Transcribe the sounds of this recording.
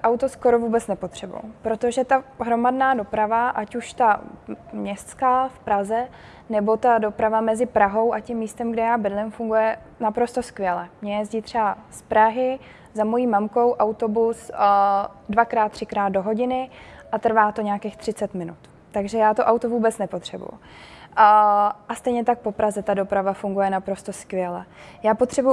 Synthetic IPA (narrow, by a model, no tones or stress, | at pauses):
ʔawt̪osko̞ɾovuːbɛt͡snɛpo̞t̪r̝̥ɛbṵjṵpɾo̞t̪o̞ʒɛt̪aɦɾo̞madnaːdo̞pɾavaʔacuʃt̪amɲɛst̪t͡skaːfpɾazɛ | nɛbo̞t̪ado̞pɾavamɛzɪpɾaɦo̞wʔacimːiːst̪ɛmɡdɛjaːbɪdlɪmfuŋɡujɛ | napɾo̞st̪o̞skvjɛlɛmɲɛjɛzɟiːt̪ːr̥ɛbaspɾaɦɪ | zamo̞jiːmamko̞wʔawt̪o̞bus | dvakɾaːt̪̚ːr̝̥ɪkɾaːt̪do̞ɦo̞ɟɪnɪʔat̪r̩vaːt̪o̞ɲaːkeːxt̪r̥ɪt͡sɛt̪mɪnut̪ | t̪aɡʒɛjaːt̪oʔawt̪ovuːbɛt͡snɛpo̞t̪r̝̥ɛbṵjṵ | ʔast̪ɛjɲɛt̪ak̚po̞pɾazɛt̪ado̞pɾavafuŋɡujɛnapɾo̞st̪o̞skvʲjɛlɛjaːpo̞t̪r̝̥ɛbu